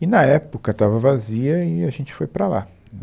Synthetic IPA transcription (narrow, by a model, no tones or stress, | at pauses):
ɪnɐɛpʊkɐt̪avɐvaziɐiaʒẽnt͡ʃɪ̥fojpɾɐla̰